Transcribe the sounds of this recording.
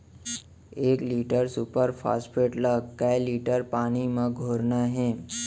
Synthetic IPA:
eːkliːʈəɾsupəɾfʰa̰ːspʰeʈləɡkːajliːʈəɾpaːñimãɡʱoːɾnaɦɛ̃

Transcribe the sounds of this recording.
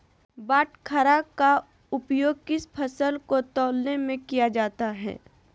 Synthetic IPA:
baːʈkʰəɾaka | ʊpjoːɡ̚kɪspʰəsəlkot̪ɔːlnemẽkijad͡ʒaːt̪aɦɛ̰ː

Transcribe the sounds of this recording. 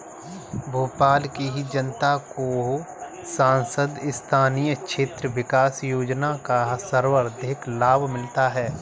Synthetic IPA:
bʱuːpaːlkiɦid͡ʒənt̪ako | sãːnsəd̪ɪst̪ʰaːnijəkʃʰeːt̪ɾəʋɪkaːsjoːd͡ʒnakasəɾwəɾd̪ɪklaːbʱmɪlt̪aɦɛː

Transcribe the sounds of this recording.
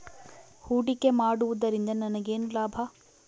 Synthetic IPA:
huːɖikːe̞maːɽuʋud̪ɐɾind̪ɐnɐnɐɡe̞ːnulaːbʱɐ

